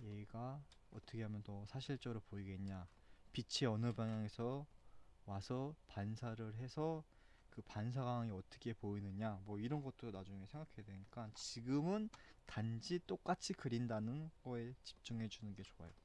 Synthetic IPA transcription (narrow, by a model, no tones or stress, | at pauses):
jeɡiɡaʌ̰t͈ʰʌkʰe̞ɦamjʌntʌsʰaɕʰiɭt͡ɕ͈ʌɾopoiɡe̞nɲa | pit͡ɕʰiʌnɯbaŋjaŋe̞sʰʌ | wasʰʌpansʰaɾɯɭɦe̞sʰʌ | kɯpans̬ʰaɡaŋiʌt͈ɯ̥kʰe̞poinɯɲamwʌiɾʌnɡʌt͈ʰɯɾonad͡ʑuŋe̞sʰe̞ŋɡakʰedweɲik͈ant͡ɕiɡɯmɯntand͡ʑit͈ok͈at͡ɕʰikɯɾindanɯnɡ̥ʌe̞t͡ɕi̥p̚t͡ɕ͈uŋɦe̞d͡ʑunɯnɡe̞t͡ɕoa̰jo